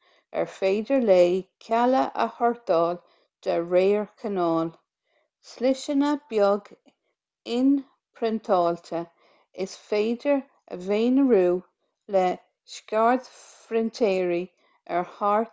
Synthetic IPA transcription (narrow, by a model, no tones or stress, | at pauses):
ɛ̰ɹfeːdəɹleːkʲʰaləʔə̰hɔɹd̪ɑːl | d̪̥əɹeːɹkʰənɔːl | slɪʃənəb̥jɔɡ | ɪn | pʰɾɪnt̪ʰɑːlt̪ʰə | ɪsfeːdəɹ | ə̰veːnəɹuː | lɛ | ʃkaɹd̪fɾɪnt̪ʰeːɹi | ɛɹhaɹ